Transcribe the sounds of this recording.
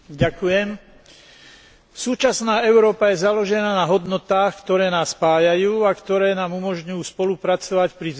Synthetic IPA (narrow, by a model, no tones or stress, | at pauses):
ɟakujɛm | suːt͡ʃasnaːɛʊɾɔːpajɛzalɔʒɛnaːnaɦɔd̪nɔt̪aːxkt̪ɔɾɛːnaːspaːjajuːakt̪ɔɾɛːnaːmumɔʒɲujuːspɔlupɾat͡sɔʋacpɾi